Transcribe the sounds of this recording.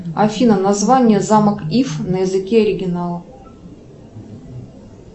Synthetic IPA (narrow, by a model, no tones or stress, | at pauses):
ɐfʲinənɐzvanʲɪjəzaməkifnəjɪzɨkʲeɐɾʲɪɡʲɪnalˠə